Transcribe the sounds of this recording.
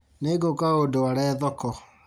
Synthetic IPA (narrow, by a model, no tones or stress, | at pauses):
neːɡokaodowaɾɛːðɔkɔ